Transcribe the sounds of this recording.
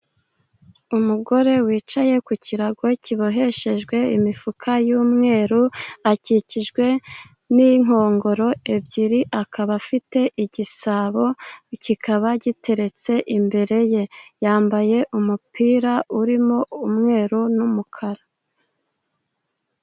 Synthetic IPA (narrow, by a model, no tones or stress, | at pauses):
umuɡo̞ɾe̞wiːt͡ʃaje̞kuciɾaɡo̞ciβo̞ɦe̞ʃe̞ʒɡwe̞imifukʰajuːmŋe̞ːɾuaciciʒɡwe̞ | niŋ̥o̞ːŋɡo̞ɾo̞e̞bɟiɾiʔakʰaβafite̞ʔiɟisaβo̞cikʰaβaɟitʰe̞ɾe̞t͡se̞ʔimbe̞ɾe̞je̞jaːmbaje̞ʔumupiːɾauɾimo̞umŋe̞ːɾunumukʰaɾa